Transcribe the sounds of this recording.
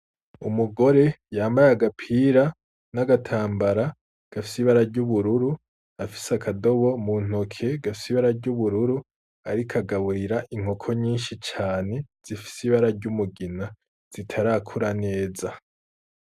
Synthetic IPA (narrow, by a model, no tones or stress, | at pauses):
umuɡo̞ɾe̞jaːmbajaɡapʰiɾa | naɡatʰaːmbaɾa | ɡ̥afisiβaɾaɾɟuβuɾuɾu | afi̥sakʰado̞βo̞mun̥o̞kʰe̞ɡafisiβaɾaɾɟuβuɾuɾu | aɾikʰaɡaβuɾiɾaʔiŋ̥okʰo̞ɲiːnʃit͡ʃaːne̞z̥ifi̥siβaɾaɾɟumuɡina | z̥itʰaɾakʰuɾane̞ːza